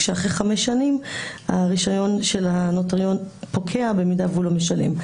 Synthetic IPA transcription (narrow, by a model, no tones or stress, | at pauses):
ʃeaχʁeχameʃanimaʁiʃajo̞nʃe̞lhanotaʁjo̞npokʰeabemidavulomeʃalḛm